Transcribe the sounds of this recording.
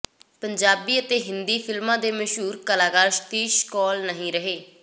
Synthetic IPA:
pəɲd͡ʒaːbiːət̪eːɦɪnd̪iːpʰɪlmãːd̪eːməʃɦuːɾkəlaːɡaːɾʃt̪iːʃkɔːlnəɦĩːɾəɦeː

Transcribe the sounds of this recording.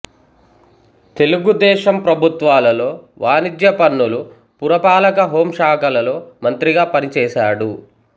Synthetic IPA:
t̪e̞luɡud̪ɛːʃɐmpɾɐbʱut̪ʋaːlɐlo̞ː | ʋʔaːnid̪jɐpɐnːulu | puɾɐpaːlɐkɐɦoːmʂaːkɐlɐlo̞ːmɐnt̪ɾiɡaːpɐnit͡ʃɛːʃaːɽu

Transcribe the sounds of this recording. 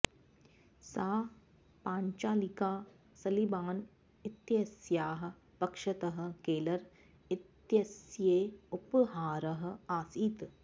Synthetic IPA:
saː | pãːɲt͡ʃaːlikaː | sɐlibaːn | ɪt̪jɐsjaːɦɐ̆ | pɐkʃɐt̪ɐɦɐ̆keːlɐɾ | ɪt̪jɐsjeːupɦaːɾɐɦɐ̆aːsiːt̪

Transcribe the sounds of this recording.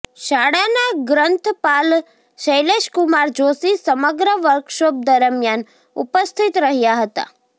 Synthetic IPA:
ʃaɽanaɡɾənt̪ʰpal | ʃəjleʃkumaɾd͡ʒosisəməɡɾəʋəɾkʃob̚d̪əɾəmjan | ṵpəst̪ʰit̪ɾəɦjaɦət̪a̰

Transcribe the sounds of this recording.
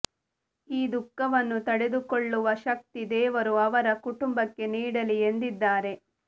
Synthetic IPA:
iːd̪ukːɐʋɐnːut̪ɐɽe̞d̪ukoɭːuʋɐʃɐk̚t̪id̪ɛːʋɐɾuɐʋɐɾɐkuʈumbɐkːe̞niːɽɐliend̪id̪ːaːɾe̞

